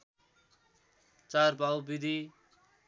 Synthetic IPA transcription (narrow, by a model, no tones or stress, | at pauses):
t͡saɾbawbid̪ʱi